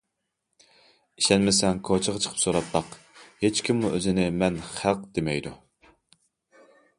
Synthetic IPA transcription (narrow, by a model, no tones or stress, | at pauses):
iʃɛnmɪsɛnkʰot͡ʃʰəʁɑt͡ʃʰə̥qʰə̥psoɾɑt̪bɑq | het͡ʃkʲʰimːuʔøzɪnɪmɛnχælˠq̚d̪̥emɛjd̪u